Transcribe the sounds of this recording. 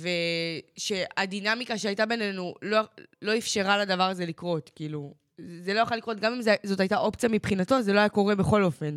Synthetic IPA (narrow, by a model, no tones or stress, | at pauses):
ve̞ʃeadinamikaʃeajtabe̞ne̞nulolo̞ifʃeʁaladavaʁaze̞likʁo̞tkiːlu | zelo̞jaχalːikʁo̞t̪ɡamimzezo̞tajtaʔo̞pt͡sijamipχinato̞ze̞lo̞ajako̞ʁe̞beχo̞lo̞fe̞n